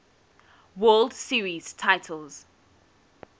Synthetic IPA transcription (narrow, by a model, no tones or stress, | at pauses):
wɜːldsiːɹiz̥tʰaɪtʰəlˠz̥